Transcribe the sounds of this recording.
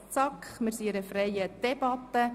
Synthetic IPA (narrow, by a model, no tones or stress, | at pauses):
t͡sɑkχmɪɾsiɛɾəfrɛjəd̪̥ɛbɑt̪ːə